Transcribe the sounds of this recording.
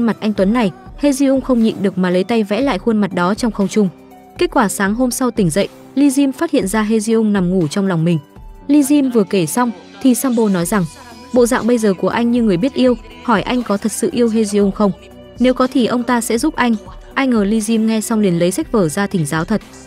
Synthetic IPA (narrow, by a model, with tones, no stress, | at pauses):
nma˨˩t̚ʔa˧jŋ̟t̪wə˨˦nːa˨˩jhe˧zi˧ʔʊ˧ŋ͡mxə˧wŋ͡mɲḭ˧˨nɗɨ˨˩ək̚maː˨˩lə˨˦jt̪a˧jvɛ̰˧˥la̰ː˧˨jxwə˧nma˨˩t̚ɗɔ˨˦t͡ɕɔ˧wŋ͡mxə˧wŋ͡mt͡ɕʊ˧ŋ͡m | ke˦˥t̚kwaː˧˩saː˨˦ŋɦo˧msa˧wt̪ï˧˩ŋ̟zə̰˧˨jʔ | li˧zi˧mfaː˦˥t̚hḭ˧˨ənzaː˧ɦe˧zi˧ʔʊ˧ŋ͡mna˨˩mŋu˧˩t͡ɕwŋ͡mlwŋ͡mmï˨˩ŋ̟ | li˧zi˧mvɨ˨˩əke˧˩sa˧wŋ͡m | t̪ʰi˨˩saː˧mɓo˧nɔ˨˦jza˨˩ŋ | ɓo̰˧˨za̰ː˧˨ŋɓə˧jzəː˨˩ku˧˩əʔa˧jŋ̟ɲɨ˧ŋɨ˨˩əjɓi˦˥ət̚ʔi˧əw | hɔ˧˩jʔa˧jŋ̟kɔ˨˦t̪ʰə˨˩t̚sɨ̰˧˨ʔi˧əwɦe˧zi˧ʔʊ˧ŋ͡mxə˧wŋ͡m | ne˨˦wkɔ˨˦t̪ʰi˧˨˩ʔə˧wŋ͡mt̪aː˧sɛ̰˧˥zu˦˥p̚ʔa˧jŋ̟ | ʔa˧jŋ̟ʔəː˨˩li˧zi˧mŋɛ˧sa˧wŋ͡mli˨˩ənlə˨˦jsa˦˥k̟̚vəː˧˩zaː˧t̪ʰï˧˩ŋ̟zaː˨˦wt̪ʰə˨˩t̚